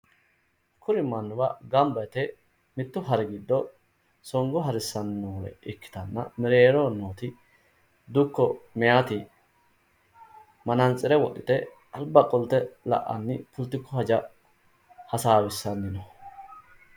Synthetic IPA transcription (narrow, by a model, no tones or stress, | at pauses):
kʰʊɾɪmːɐnːʊwɐɡɐmbɐt̪ɛ | mɪt̪ːʊɦɐɾɛɡɪd̪ːɔ | sɔŋɡɔɦɐɾɪsːɐnːɐwɔlɛ̰ʔɪkːɪ̥t̪ɐnːɐ̰mɛɾeːɾonːoːt̪ɪ | d̪ʊkːɔmɛjat̪ɪ | mɐnɐnt͡sʼːɪɾɛwɔɗɪt̪ɛ | ɐlbɐkʼɔlt̪ɛlɐ̰ʔːɐ̰nːɪpʊlt̪ːɪkːɔhɐd͡ʒɐ | hɐsaːwɪsːɐnːɪnɔ